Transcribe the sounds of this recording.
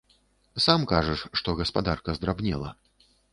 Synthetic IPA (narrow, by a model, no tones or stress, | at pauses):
samkaʐɐʂʂt̪ɔɣɐspad̪arkɐzd̪ɾabnʲɛlˠɐ̰